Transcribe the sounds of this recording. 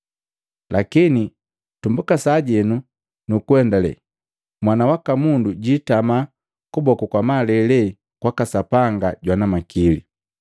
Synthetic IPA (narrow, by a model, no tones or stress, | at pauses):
lʔakini | tumbukasaːɟɛnu | nukuwɛndalɛ̰ | mwanawakamunduɟitama | kubɔkukwamalɛlɛ | kwakasapaŋɡaɟwanamakilḭ